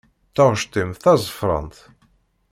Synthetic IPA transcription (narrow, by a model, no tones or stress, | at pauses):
t̪ːəʁʃt̪imθɑzˤəfɾˤə̰nt̪